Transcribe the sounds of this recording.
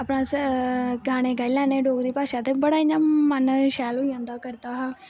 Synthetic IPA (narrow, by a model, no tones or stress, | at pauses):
apnãːs | ɡaːɽ̃eːɡaːilɛːneːɖoːɡd̪iːpaːʃãːt̪eːbəɽaːɪɲãːmənʃɛːlɦoːiãːnd̪aːkəɾt̪aːɦãː